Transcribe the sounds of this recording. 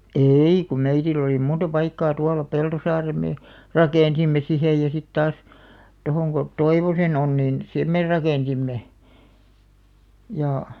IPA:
eˑi kum meitilˑ oliˑ muntɑ pɑikːɑː tuɑlɑ peltosɑːrem meː rɑkeˑnsimːe sihej jɑ sit tɑːs tohoŋ ɡ̊o toiʋosen on nin sem meˑ rɑkeˑnsimːe jɑˑ

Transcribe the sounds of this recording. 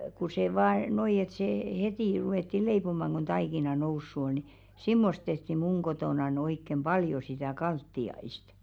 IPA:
ku se ʋɑː noi et seː hetiˑ ruweˑtːi leipomɑŋ ɡ̊o̝n tɑikinɑ nousːu ol̥ ni simːost tehti muŋ ɡ̊otoˑnɑn oikːem b̥ɑljo sitæˑ kɑltːiɑist

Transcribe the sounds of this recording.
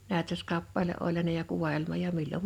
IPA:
næˑøtøskɑpːɑleʔ ʔolʲ jɑ ne jɑ kuʋɑelmɑ jɑ milːom

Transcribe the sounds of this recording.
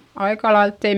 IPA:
ɑikɑlɑilt tei

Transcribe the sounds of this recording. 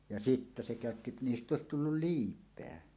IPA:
jɑ sitːæ se kæˑøtːi niːstˑ oˑesit tulːul liːpˑeæ

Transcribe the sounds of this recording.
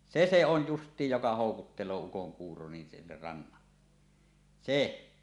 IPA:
se se on justˑiːj jokɑ hoˑukutːelˑoː ukoŋkuːro nin sinːer rɑnːɑlːe se

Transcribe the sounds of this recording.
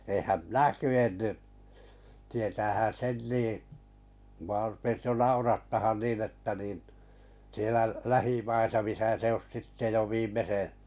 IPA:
eːhæm minæ kyenːy tietæːhæn sen niˑ mŭɑ rupes jo nɑurɑtːɑhɑn niːn etːæ niːn sielæ læhimɑisɑ misæ se os sitːe jo ʋiːmːese

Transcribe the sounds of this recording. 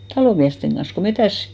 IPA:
tɑloˑ miæsteŋ ɡ̊ɑn̞s ko metæˑs

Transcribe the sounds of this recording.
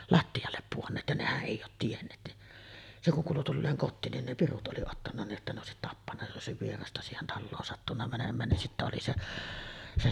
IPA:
lɑtːiɑlːep puonːeːt jɑ nehæʔ ʔeˑi oːt tienːeːt ni se kuŋ kuːlu tulːeːŋ kotːiːn nin ne pirut ʔoli otːɑnːɑ niːʔ ʔetːæ ne oˑesit tɑpːɑnːɑ jos ʔei oˑesiʋ ʋierɑstɑ siːhen tɑlːoːn sɑtːunːɑ mænemˑæːn nin sitːæ oli seʔ se

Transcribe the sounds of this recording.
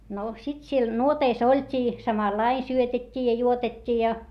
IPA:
no sit siel nuoteis olʲtʲiː sɑmɑlːɑin̆ syøtetʲːiː jɑ juotetʲːiː jɑ

